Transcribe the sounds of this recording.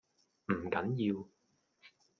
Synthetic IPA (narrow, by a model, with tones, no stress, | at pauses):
ʔm̩˨˩ka˨˥˦nji˧w